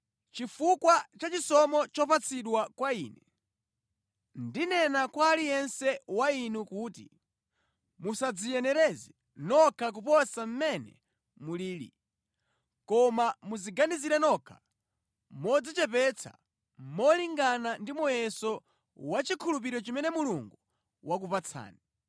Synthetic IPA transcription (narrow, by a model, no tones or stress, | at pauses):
t͡ʃifukwat͡ʃat͡ʃisɔmɔt͡ʃɔpat͡sʰiɗwakwaiːnɛ | ndinɛnakwaːlijɛnsɛwainukuːti | musad͡zijɛnɛɾɛzɛ | nɔkʰak̬upɔsam̩mɛnɛ̰ | muliːlḭ | kɔmamuziɡaniziɾɛnɔkʰa | mɔd͡zit͡ʃɛpɛt͡sʰa̰ | mɔliŋɡanandimɔjɛsɔ | wat͡ʃikʰulup̬iɾɔt͡ʃimɛnɛmuluŋɡu | wʔak̬upat͡sʰa̰ːni